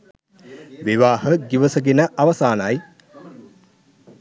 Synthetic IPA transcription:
ʋiʋaːhəɡiʋəsəɡenəʔaʋɐsaːnaj

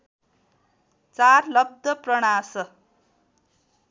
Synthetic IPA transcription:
t͡sarlʌb̚d̪ʱʌprʌɽ̃asʌ

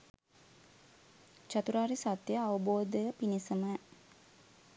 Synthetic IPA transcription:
t͡ʃat̪uɾaːɾisat̪jəaʋəboːd̪əəpinisəmə

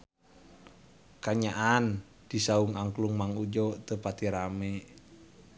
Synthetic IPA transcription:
kaɲaʔan | d̥isauŋaŋkluŋmaŋud͡ʒɔt̪əpat̪iɾamɛ

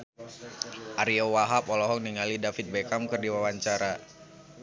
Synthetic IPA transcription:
ʔaɾiowaɦapɔlɔɦɔŋ̚niŋalidafit̪̚bɛkamkərdiwawaɲt͡ʃaɾa

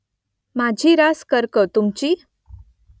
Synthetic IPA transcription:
mad͡ʑʱiːɾaskəɾkət̪umt͡ɕiː

